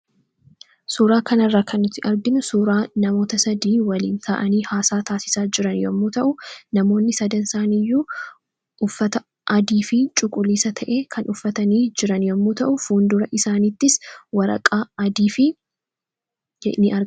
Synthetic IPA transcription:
suːɾaːkɐnɐrːaːkʰɐnːʊt̪ːɪʔɐɾɡɪnʊsuːɾaːnɐmo̞ːt̪ɐsɐd̪iːwɐlḭːnt̪ʰa̰ʔɐniːhaːsaːt̪aːsɪ̥saːd͡ʒɪɾɐnjɔmːut̪ɐʔʊnɐmo̞ːnːɪsɐd̪ɐnsaːnɪjːuː | ʔʊfːɐt̪ɐ | ʔɐd̪iːfɪt͡ʃʼʊkʼʊliːsɐt̪ʰɐʔe̞ːkʰɐnʔʊfːɐt̪ɐniːd͡ʒɪɾɐnjɔmːut̪ɐʔʊfuːnd̪ʊɾɐʔɪsaːniːt̪ːɪswɐɾɐ̰kʼaːɐd̪iːfɪ | ɛnɪʔɐɾ

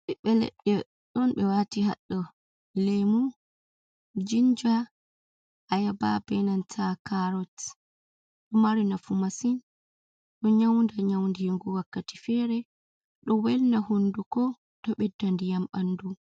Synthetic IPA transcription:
ɓɛɓɛlɛ̰ɗɛ | ɗɔnɓɛwatiha̰ɗːɔ | lɛjmu | d͡ʒind͡ʒa | ʔajaba̰bɛnantʰakaɾɔt | ɗɔmaɾinafumasin | ɗɔɲawndaɲawndijeŋɡuwakːati̥fɛɾɛ | ɗɔwɛlnahundukɔ | tɔɓɛdːandijamanːdu

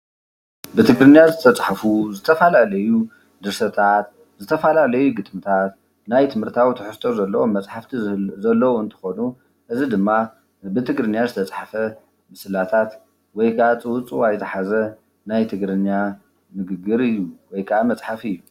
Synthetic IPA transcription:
bɨt̪ʰɨɡɾɨnːjazɨt̪ʰɐt͡sʼħafuzɨt̪ʰɐfalalɐju | d̪ɨɾsɐt̪ʰat̪ | zɨt̪ʰɐfalalɐjuɡɨt̪ʼmɨt̪ʰat̪ | najt̪ʰɨmhɨɾt̪ʰawit̪ʰɨħɨst̪ʰozɐlːɐwomɐt͡sʼħaft̪ʰizɐlːɐwoɨnt̪ʰɨ̥xonu | ʔɨzid̪ɨmːa | bɨt̪ʰɨɡɾɨnjazɨt̪ʰɐt͡sʼħafɐ | mɨsɨlat̪ʰat̪ | wɔjɡat͡sʼɨwʊt͡sʼuwajt̪ʰɐħazɐ | najt̪ʰɨɡɾɨnːa | mɨɡɨɡɨɾɨjːuwɔjkʰɐʔamɐt͡sʼħafɨjːu

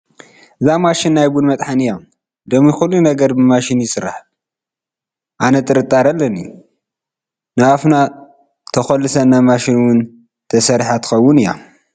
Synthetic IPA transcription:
ʔɨzamaʃɪnːajbunmɐt̪ʼħanɨja | d̪ɐmixulːunɐɡɐɾbɨmaʃɪnjɪsɨɾːa̰ħ | ʔanɐt̪ʼɨɾɨt̪ʼːaɾɐlːɐni | nɨafna | t̪ʰɐxɐlːɨsɐnːamaʃinwʊn | t̪ʰɐsɐɾħat̪ɨ̥xɐwːʊnɨja̰

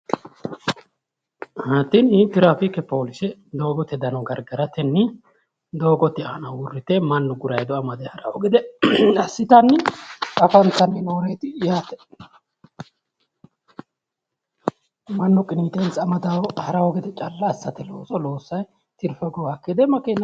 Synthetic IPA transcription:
hat̪ːinhit̪ːɪɾaːfɪkːɛpo̞ːlɪsɛd̪o̞ːɡɔt̪ːɛd̪ɐnɐɡɐɾɡɐɾɐt̪ɛnːɪ | d̪o̞ːɡɔt̪ːɪa̰nɐwʊrːɪt̪ɛmɐnːɔɡʊɾɐjd̪ɔɐmɐd̪ɛhɐɾɐwɔɡɪd̪ɛɐsːɪt̪ɐnːɪʔɐfɐnt͡sːɐnenoːɾeːt̪ɪjaːt̪ɛ̥ | mɐnːɔkʼɪniːt̪ensɐmɐd̪ɐwhɐɾɐwɔɡɪd̪ɛt͡ʃʼɐlːɐːsːɐt̪ɛlo̰ːsɔlo̞ːsːɐj | t̪ɪɾfɛɡɔwaːkːid̪ɛmɐkeːnɐ

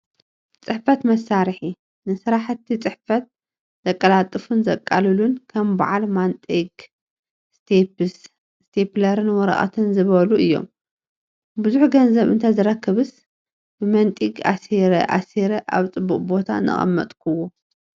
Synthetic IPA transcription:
t͡sʼɨħfɐt̪mɐsaɾħi | nɨsɨɾaħt̪ʰːit͡sʼɨħfɐt̪̚ | z̥ɐkʼːɐlat̪ʼɨfunzɐkʼːalɨlunkʰɐmba̰ʕalmant̪ʼiɡ | st̪ʰeps | st̪ʰeplɐɾɨnwɔɾɐ̰ʔʼɐ̰t̪ʰɨnzɨβɐluʔɨjːo̰m | buzuħɡɐnzɐβɨ̰nt̪ʰazɨɾɐkʰːɨβɨs | bɨmɐnt̪ʼiɡa̰seɾɐʔa̰seɾɐʔa̰βt͡sʼɨbːuχʼbo̞t̪ʰa̰nɨ̰χʼɐ̰mːɐ̰t̪ʼkʰuwo

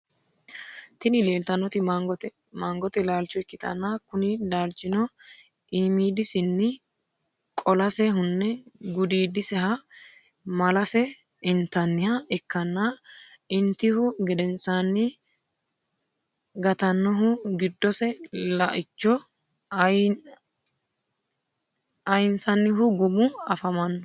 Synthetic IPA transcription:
t̪ɪnɪleːlt̪ɐnɔt̪ɪmaɡɔ | maːŋɡɔt̪ɛlaːlt͡ʃːɔɛkːɪt̪ɐ̰nːakʊnɪlaːlt͡ʃːɪnɔ | ʔiːmiːd̪ɪsɪnːɪ | kʼɔlɐsɛɦʊnːɛɡʊd̪iːd̪ɪsɛɦɐ | mɐlɐsɛ | ɪnt̪ːɐnːɪhɐɛkːɐnːa | ɪnt̪ːɪhʊɡɛd̪ɛnsanːɪ | ɡɐt̪ɐnːɔɦʊɡɪd̪ːɔsɛlɐʔɪt͡ʃːɔ | ɐjɪnsɐnːɪɦʊɡʊmʊɐfɐmɐnːɔ

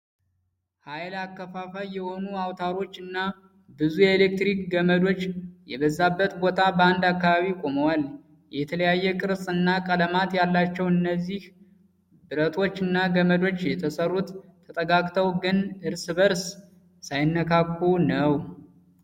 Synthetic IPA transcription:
hajlakːəfafajːɛho̞nuawt̪ʰaɾo̞t͡ʃːɨnːa | bɨzujɛelek̚t̪ɾikɡəməd̪o̞t͡ʃːjɛβəzːabːət̪bo̞t̪ʰabəand̪akːaβaβikʼo̞məwal | jɛt̪ʰələjajːɛkʼɨɾsʼɨnːakʼələmat̪jalːat͡ʃːɛwɨnːəzːih | bɨɾət̪ʰo̞t͡ʃːɨnːaɡəməd̪o̞t͡ʃːjɛt̪ʰəsərːut̪ʰːət̪ʼəɡakʼt̪ʰəwɡɨnɨɾsɨβəɾs | sajɪnːəkʰakʼːunəw

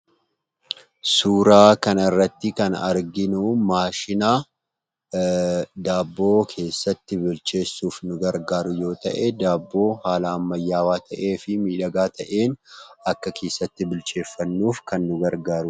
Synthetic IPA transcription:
suːɾaːkɐnɐɪrːɐt̪ːɪkɐnɐɾɡɪnʊmaːʃɪnaː | d̪aːbːo̞ːkʰe̞ːsːɐt̪ːɪbɪlt͡ʃe̞ːsːuːfnʊɡɐɾɡaːɾʊjo̞ːt̪ɐ̰ʔɛd̪aːbːo̞ːhaːlɐːmːɐjːaːwaːt̪ʰɐʔeːfɪmiːᶑɐɡaːt̪ɐʔe̞ːnɐkːɐkʰe̞ːsːɐt̪ːɪbɪlt͡ʃe̞ːfːɐnːuːfkɐnːʊɡɐɾɡaːɾʊ

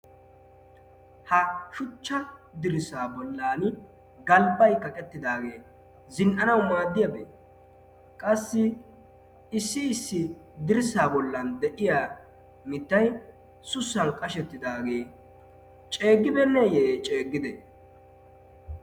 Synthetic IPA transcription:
hɐʃʊt͡ʃːɐd̪ɪɾɪsaːbɔlːaːn | ɡɐlbɐjkɐkʼɛt̪ːɪd̪aːɡe̞ː | zɪnʔɐnɐwmaːd̪ːɪjɐbḛː | kʼɐsːɪ | ɪsːɪɪsːɪd̪ɪɾɪsaːbɔlːɐnd̪ɛʔɪjaː | mɪt̪ːɐj | sʊsːɐnkʼɐʃɛt̪ːɪd̪aːɡe̞ː | t͡ʃʼe̞ːɡːɪbɛnːɛjɛt͡ʃʼeːɡːɪd̪ɛ

